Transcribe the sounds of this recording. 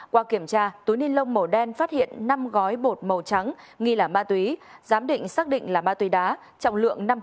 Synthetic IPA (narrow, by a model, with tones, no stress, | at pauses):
kwaː˧ki˧˩əmt͡ɕaː˧t̪u˨˦ni˧ənlə˧wŋ͡mmə˨˩ɗɛ˧nfaː˦˥t̚hḭ˧˨ənːa˧mɣɔ˨˦jɓo˨˩t̚mə˨˩wt͡ɕa˨˦ŋ | ŋi˧laː˨˩maː˧t̪wi˨˦zaː˨˦mɗḭ̈˧˨ŋ̟saː˦˥k̚ɗḭ̈˧˨ŋ̟laː˨˩ɓaː˧t̪wi˨˦ɗaː˨˦ | t͡ɕɔ̰˧˨wŋ͡mlɨ̰˧˨əŋna˧m